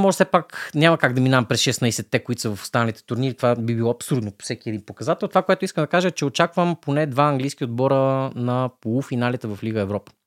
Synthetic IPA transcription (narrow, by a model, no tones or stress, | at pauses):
mɔʒɛsɛpaknʲamɐkaɡd̪ɐminavɐmpɾɛsʃɛsnajsɛt̪ːɛkoit̪o̥səvɐfʊ̥st̪anɐlit̪ɛ̥t̪ʊɾniɾit̪ovabibilˠɔɐpsuɾd̪nopo̥sɛk̟ʲiɛd̪inpokɐzat̪ɛlˠt̪ovakoɛt̪ʊiskəmd̪ɐkaʒəɛt͡ʃɛot͡ʃakvəmponɛd̪vaɐŋɡlʲijsk̟iod̪bɔɾənɐpolˠufinalit̪ɛvɐfliɡəɛvɾɔpə̥